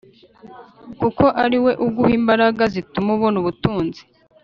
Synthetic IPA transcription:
kuko̞ʔaɾiwe̞ʔub̚ɡuhiːmbaɾaɡazitumuβunuβutuːnzi̥

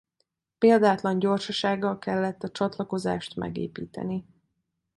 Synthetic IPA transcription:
peːld̪aːt̪lɒɲɟo̞rʃɒʃaːɡːɒlkɛlːɛt̪ːɒt͡ʃɒt̪lɒko̞za̰ːʃt̪mʔɛ̰ɡḛːpiːt̪ɛ̰ni

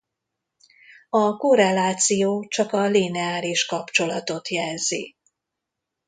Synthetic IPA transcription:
ɒkoɾɛlaːt̪sijoːt͡ʃɒkɒlinɛaːliʃkɒpt͡ʃo̞lɒt̪o̞t̪jɛlzi

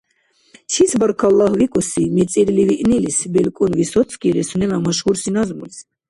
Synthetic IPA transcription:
t͡ʃʰisʰbaɾkʰalːahvikʼɔsimɛt͡sʼɛɾliviʔnilisbɛlkʼunvisɔt̪sʰkʼiɾɛsunɛlamaʃɡuɾsinazmuls

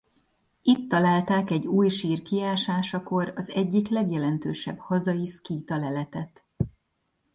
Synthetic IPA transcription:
it̪ːɒlaːlt̪aːkɛɟuːjʃiːrkiaːʃaːʃɒko̞ɾɒzɛɟːiklɛɡjɛlɛnt̪øːʃɛb̥hɒzɒjiskiːt̪ɒlɛlɛt̪ɛt̪

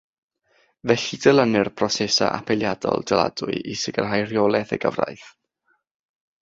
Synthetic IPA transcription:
vɛɬidɛlˠənɨrpʰrɔsɛsaʔapʰɛlˠjadɔ̰lˠd̥ɛlˠa̰d̥ʊ̰ɨʔisɪɡərɦajrjɔlˠɛθə̰ɡəvrajθ

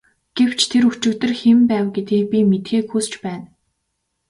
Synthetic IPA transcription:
ɡ̥ew̥t͡ɕʰt̪ʰeɾut͡ɕɵ̆ːt̪ɘ̆rxempæːwɡet̪ɡeːk̚pʲimet̪xeːkxust͡ɕpæːn

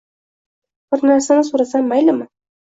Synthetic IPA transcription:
b̥ɪɾnaɾsanɪsuɾasamːajlɪmɪ

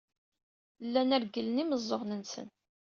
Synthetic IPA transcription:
lːænæɾɡələniməzˤːoʁnənsə̰n

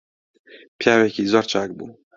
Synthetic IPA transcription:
pʰjaːwekiːzoːɾt͡ʃʰaːk̚bṵː

